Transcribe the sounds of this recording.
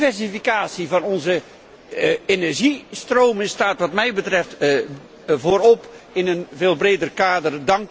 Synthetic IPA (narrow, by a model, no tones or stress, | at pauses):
vɛrsifikaːsivɑnɔnzə | enɛrʒistroːmənstaːtʋɑtmɛjbətrɛft | voːɾɔpɪnənveːlˠbreːdərkaːdərdɑŋk